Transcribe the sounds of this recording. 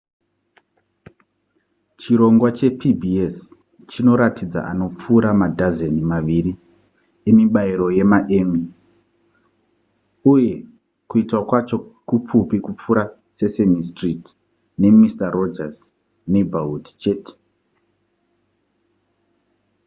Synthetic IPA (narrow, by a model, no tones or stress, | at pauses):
t͡ʃiɾo̞ŋɡwat͡ʃe̞pʰibʱies | t͡ʃino̞ɾatid͡za̰ʔano̞p͡fuːɾamadʱazenimaʋiɾi | emiɓaiɾo̞je̞maʔe̞ːmi | uje̞ | kuitwakwat͡ʃo̞kup͡fupikup͡fuɾa | sesenistrit | ne̞mistaro̞d͡ʒaz | nebʱautt͡ʃe̞ːte̥